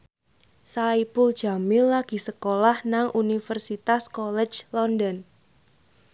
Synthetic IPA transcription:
saipʊld̥ʒ̥a̤mɪlːaɡ̥i̤səkolahnaŋʔunifərsit̪askɔlɛd͡ʒlɔndɔn

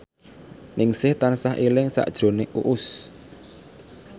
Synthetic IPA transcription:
nʔɪŋsɪht̪ansaɦʔilɪŋsa̰ʔd̥ʒ̥ɾo̤neʔuʔʊs

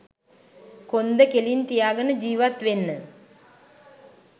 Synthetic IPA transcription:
kond̪əkelint̪ijaːɡənəd͡ʒiːʋat̪ʋenːə

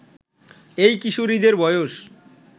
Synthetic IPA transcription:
ejkiʃuɾid̪eɾbɔjoʃ

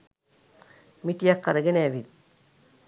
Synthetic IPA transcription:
mitijakːaɾeɡeneʋit̪̚

